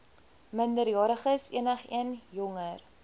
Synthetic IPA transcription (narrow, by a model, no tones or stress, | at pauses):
məndəɾjɑːɾəχəsḭənəχiənjɔŋər